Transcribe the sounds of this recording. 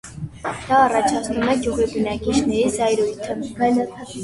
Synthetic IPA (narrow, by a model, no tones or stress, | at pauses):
d̪̥ɑːrɑt͡ʃʰɑt͡sʰnumɛɡjuʁibənɑkit͡ʃʰnɛɾizɑjɾujt̪ʰəvɛnə